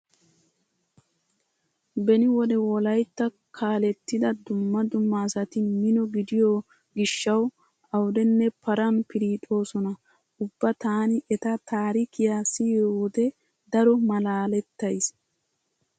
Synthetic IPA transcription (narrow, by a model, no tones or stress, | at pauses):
bɛnɪwɔd̪ɛwɔlɐjt̪ːɐ | kʰaːlɛt̪ːɪd̪ɐd̪ʊmːɐd̪ʊmːɐsɐt̪ɪmɪnɔɡɪd̪ɪjo | ɡɪʃːɐw | ɐwd̪ɛnːɛpɐɾɐnpɪɾiːt̪ʼo̞ːsɔnɐ | ʊbːɐt̪aːnɪʔɛt̪ɐt̪aːɾikʰɪjaːsijowɔd̪ɛ | d̪ɐɾɔmɐlaːlɛt̪ːɐjs